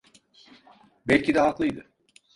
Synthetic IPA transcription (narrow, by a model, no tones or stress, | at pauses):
bɛlʲcid̪ɛɦaklˠɯjd̪ɯ